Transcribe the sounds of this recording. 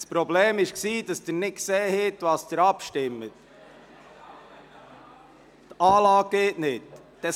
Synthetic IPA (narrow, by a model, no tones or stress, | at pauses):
spɾɔbleːmɪʃksiːd̥ɑsd̥əɾnɪtkseːhɛt̪ʋɑːsd̥əɾɑpʃtɪmːət | tɑːlɑːɡ̚ɡ̥eːtnɪt | d̥ɛ